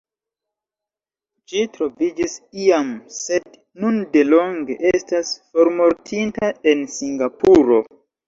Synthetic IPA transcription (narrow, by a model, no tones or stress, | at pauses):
d͡ʒitɾo̞vid͡ʒisiamse̞d | nunde̞lo̞ŋɡe̞ʔe̞stasfo̞ɾmo̞ɾtʰintae̞nsiŋɡapuɾo̞